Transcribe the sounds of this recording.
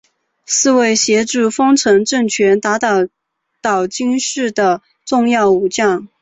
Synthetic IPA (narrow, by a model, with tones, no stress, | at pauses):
sɹ̩˥˧we˥˩ɪɕjɛ˧˥ʈ͡ʂu˥˩fɤ˥ŋʈ͡ʂʰɤ˧˥ŋʈ͡ʂɤ˥˩ŋt͡ɕʰɥɛ˧˥nt̪a˧˥t̪ɑ˨˩ʊ | t̪ɑ˨˩ʊt͡ɕi˥ŋʂɻ̩˥˩d̪ə˩ | ʈ͡ʂʊ˥˧ŋjɑ˥˩ʊu˨˩t͡ɕjɑ˥˩ŋ